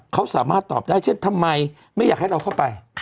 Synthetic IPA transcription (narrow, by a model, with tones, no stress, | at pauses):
kʰa˦˥wsaː˩˦maː˥˩t̪ːɔ̰ː˨˩p̚daː˥˩jt͡ɕʰe˥˩nt̪ʰa˧mːa˧j | ma˥˩jaː˨˩k̚ha˥˩jɾa˧wkʰa˥˩wpa˧j